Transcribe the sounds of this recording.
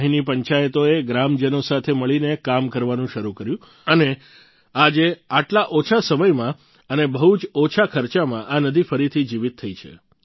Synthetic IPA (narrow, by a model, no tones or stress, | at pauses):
ɦinipəɲt͡ʃajət̪oeɡɾamd͡ʒənosat̪ʰeməɭinekamkəɾʋanũʃəɾukəɾjũ | əne | ad͡ʒeaʈlaʔot͡ʃʰasəməjmã | ənebəɦut͡ʃot͡ʃʰakʰəɾt͡ʃamãʔanəd̪ʱifəɾit̪ʰid͡ʒiʋit̪ʰːəit͡ʃʰḛ